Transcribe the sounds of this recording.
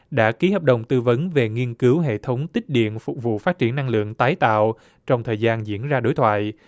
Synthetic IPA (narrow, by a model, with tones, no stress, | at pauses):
ɗa̰ː˧˥ki˨˦ɦəː˨˩p̚ɗə˨˩wŋ͡mt̪ɨ˧və˨˦nve˨˩ŋi˧ənkɨ˨˦wɦḛ˧˨t̪ʰə˨˦wŋ͡mt̪ï˦˥k̟̚ɗḭ˧˨ənfʊ˨˩k͡p̚vṵ˧˨faː˦˥t̚t͡ɕi˧˩ənːa˧ŋlɨ̰˧˨əŋt̪aː˨˦jt̪a̰ː˧˨w | t͡ɕɔ˧wŋ͡mt̪ʰəː˨˩jzaː˧nzḭ˧˥ənzaː˧ɗo˨˦jt̪ʰwa̰ː˧˨j